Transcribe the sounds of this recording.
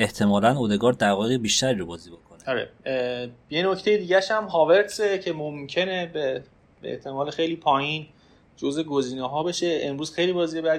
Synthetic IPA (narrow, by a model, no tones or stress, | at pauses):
e̞ht̪ʰe̞mɒːlænoːd̪e̞ɡɒːɾd̪æɾvɒːjeɣibiːʃt̪æɾiɾobɒːziːbokʰoneɒɾḛ | jeno̞ct̪e̞jed̪iːɟæʃhæmɦɒːve̞ɾt̪secʰe̞momcʰe̞ne̞be | ḛht̪ʰe̞mɒːlexe̞jliːpʰɒːjin | d͡ʒo̞ze̞ɡoziːneɦɒːbe̞ʃe̞emɾuːz̥xejliːbɒːziːjeæ